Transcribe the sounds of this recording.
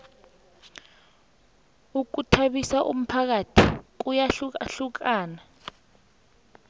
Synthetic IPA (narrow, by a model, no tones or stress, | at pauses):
uk̬utʰaɓisaʔṵm̩pʰak̬atʰik̬ujaɬɬuk̬aːna